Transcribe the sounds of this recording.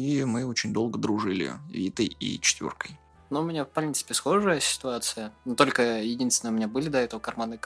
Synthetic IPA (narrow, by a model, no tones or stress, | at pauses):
imɨot͡ɕɪnʲd̪o̞lˠɡəd̪ɾʊʐɨlʲɪ̰vʲit̪əjḭt͡ɕɪ̥t̪vʲo̰rkəj | noʊmʲɪnʲafpɾʲint̪sɨ̥pʲɪsxo̞ʐɨjəsʲɪ̥t̪ʊat̪sɨjənot̪o̞lʲkəjɪdʲinsʲɪnəʊmʲɪnʲabɨlʲɪd̪ɐɛt̪əvəkɐrmanɨ